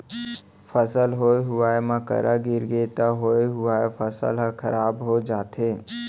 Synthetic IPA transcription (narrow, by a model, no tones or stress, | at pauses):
fʰəsəlɦoːeɦʊaːemãkə̰ɾʔaɡɪɾɡeːt̪aɦoːeɦʊaːefʰəsə̰lɦəkʰəɾaːbɦod͡ʒaːt̪eː